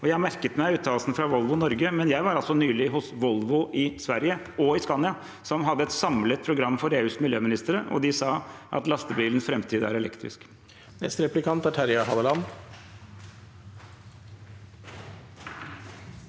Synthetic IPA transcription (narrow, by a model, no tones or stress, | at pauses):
ɔjæɪmæɾkət̪mæɪʉːt̪ʰːɑːlsn̩fɾɑʋɔlʋʊnɔɾɡəmɛnjæɪʋɑɾɑlsɔnyːlɪɦʊsʋɔlʋʊʔɪsʋæɾjə | ɔɪspɑːnjɑ | sɔmɦɑd̪ːəɛt̪sɑmlət̪̚pʰɾʊɡɾɑmːfɔɾeːʉːsmɪljøːmɪnɪst̪əɾəʔɔ̰d̪ɪsɑːʔɑ̰t̪lɑst̪əbiːlənsfɾɛmt̪ʰiːd̪əæ̰ɾɛlɛ̰kt̪ɾɪ̰sk | nɛst̪əɾɛplɪkʰɑnt̪æʈʰæɾɪɑɦɑd̪əlɑn